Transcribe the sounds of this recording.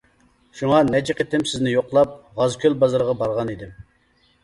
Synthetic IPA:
ʃuŋɑnɛt͡ʃiqet̪ɪmsɪznɪjoqlˠɑp̚ʁɑzkʲʰølbɑzɨɾʁɑbɑɾʁɑnid̪ɪm

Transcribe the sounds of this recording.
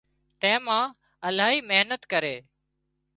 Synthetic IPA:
t̪ẽːmãː | əlaːɦiːmeɦnət̪kəɾeː

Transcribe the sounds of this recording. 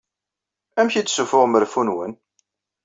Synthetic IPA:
æmçit̪ːsufʊʁməɾfunwən

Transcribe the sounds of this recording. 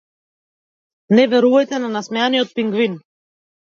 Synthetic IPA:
nɛvɛɾuvajt̪ɛnanasmɛjaniɔt̪̚piŋɡvin

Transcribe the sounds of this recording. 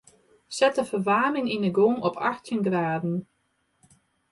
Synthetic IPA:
sɛtəfəʋaːmɪŋinəɡoːŋɔpʰa̰xtjənɡraːdn̩

